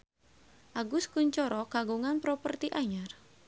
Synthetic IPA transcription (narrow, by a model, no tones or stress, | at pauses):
ʔaɡʊskuɲt͡ʃɔɾɔkaɡuŋanpɾopərt̪iʔaɲar